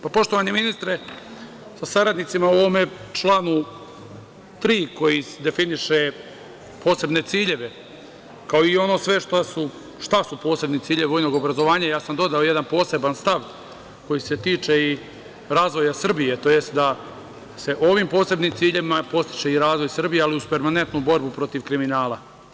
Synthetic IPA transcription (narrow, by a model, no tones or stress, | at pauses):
papo̞ʃt̪oʋaɲeminist̪ɾe̞ | sasaɾad̪nit̪simauoʋomet͡ʃlˠanu | t̪ɾiːko̞jised̪e̞finiʃe̞ | pʰoːse̞bne̞t̪siːʎe̞ʋe̞ | kaoio̞no̞ːsʋe̞ʃt̪asu | ʃt̪asupo̞ːse̞bnit̪iːʎeʋeʋojno̞ɡo̞bɾazo̞ʋaːɲajaːsamd̪o̞d̪ao̞jed̪anpo̞ːse̞banst̪aʋ | ko̞jise̞t̪iːt͡ʃe̞i | ɾaːzʋo̞jasr̩bijet̪o̞je̞st̪̚d̪a | se̞ʔo̞ʋimpo̞ːse̞bnimt̪siːʎe̞ʋimapo̞st̪i̥t͡ʃeiɾaːzʋo̞jsr̩bijealiuzpe̞ɾmane̞nt̪nubo̞ɾbupɾo̞t̪iʋkɾiminaːlˠa